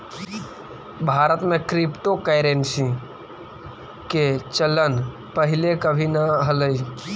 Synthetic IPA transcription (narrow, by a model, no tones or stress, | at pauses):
bʱaːɾət̪mẽkɾɪpʈokejɾensĩ | ket͡ʃələn | pəɦɪlekəbʱinəɦələi